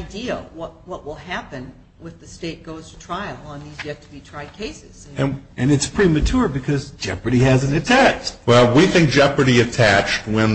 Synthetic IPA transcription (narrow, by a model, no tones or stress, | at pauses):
ɪdiwʌt̚wʌʔwəlˠhæpɨ̃n | wɨððɨsteɪt̚ɡ̥oʊz̥tʰɨ̥tʰɹ̥aɪl̩ˠə̃nðizjɛtʰɨbitʰɹ̥aɪd̚kʰeɪsɨz̥ɨ̃ɨ̃nɨtspʰɹ̥imɨt͡ʃʰʊɹbɨkʰʌzd͡ʒ̥ɛ̰pɹəɾihæzɨ̃n̩tɨtʰæt͡ʃtwɛlˠwiθɪ̃ŋk̚d̥ʒ̥ɛpɹəɾiɨtʰæt͡ʃt̚wɨ̃n